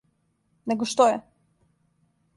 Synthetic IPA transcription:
neɡoʃt̪ojɛ

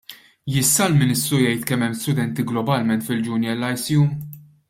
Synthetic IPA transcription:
jɪsːɐlmɪnɪst̪ɾujɛjt̪kɛmːɛmːst̪ʊd̪ɛnt̪iɡlɔbɐlmɛnt̪fɪld͡ʒʊnjɛlːɐjsiju

